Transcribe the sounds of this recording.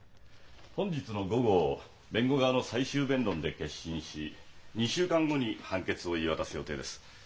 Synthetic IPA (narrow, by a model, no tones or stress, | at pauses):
hõ̞ɲ̟d͡ʑit͡sɨno̞ɡo̞ɡo̞ | bẽ̞ŋɡo̞ɡaano̞saiɕɨːbẽ̞nd̪õ̞nd̪e̞ke̞ɕĩɰ̃ɕiɲ̟iɕɨːkãŋɡo̞ɲ̟ihãŋke̞t͡sɨo̞iβat̪asɨjo̞t̪e̞ːd̪e̞sɨ̥